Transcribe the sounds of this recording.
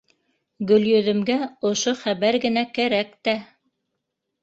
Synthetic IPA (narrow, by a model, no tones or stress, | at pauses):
ɡɵ̆ljɵ̆ðɘ̆mɡæŏʃoχæβæɾɡɘ̆nækæɾækt̪æ